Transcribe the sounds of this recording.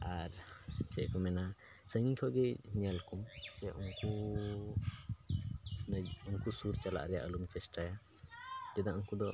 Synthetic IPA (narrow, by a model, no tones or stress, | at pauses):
aɾt͡ʃɛʔkɔmɛna | səŋikʰɔɡɛɲalkumt͡ʃɛʔunku | nəunkusuɾt͡ʃala̰ʔɾɛja̰ʔəlumt͡ʃɛsʈaja | d͡ʒɛd̪aʔunkud̪ɔ